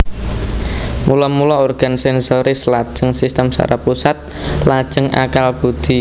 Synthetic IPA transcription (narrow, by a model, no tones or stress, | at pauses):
mulɔmulɔorɡ̥a̤nsɛnsoɾislad̥ʒ̥əŋsist̪əmsa̰ɾapusat̪̚lad̥ʒ̥əŋa̰kalb̥ud̪̥i